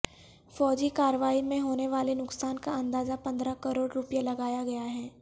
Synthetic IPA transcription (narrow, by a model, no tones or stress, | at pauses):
fɔːd͡ʒikaːɾəʋaːimẽɦoːneʋaːlenʊksaːnkaɐ̃nd̪aːzapɐ̃nd̪ɾakɐɾoːɽɾʊpijalɐɡaːjaɡɐjaɦɛː